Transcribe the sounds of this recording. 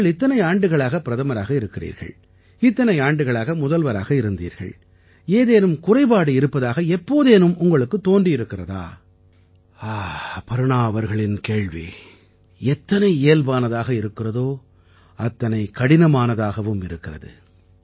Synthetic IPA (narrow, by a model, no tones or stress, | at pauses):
ɭɪt̪ːɐnɐɪaːɳɖɯɣɐɭaːɣɐpːɪɾɐðɐmɐɾaːɣɐɪɾɯkːɪrḭːɾɣɐ̰ɭ | ɪt̪ːɐnɐɪaːɳɖɯɣɐɭaːɣɐmʊðɐlʋɐɾa̰ːɣɐɪɾɯnd̪ḭːɾɣɐ̰ɭ | eːðeːnɯmkʊrɐɪbaːɽɯɪɾɯpːɐðaːɣɐɛpːoːðeːnɯmʊŋɡɐɭɯkːɯt̪ːoːndriɪɾɯkːɪrɐða̰ː | aːpɐɾɯɳaːʋɐɾɣɐɭɪnkeːɭʋḭ | ɛt̪ːɐnɐɪeːlbaːnɐðaːɣɐɪɾɯkːɪrɐðoː | ɐt̪ːɐnɐɪkɐɽɪnɐmaːnɐðaːɣɐʋɯmɪɾɯkːɪrɐ̰ðɯ̰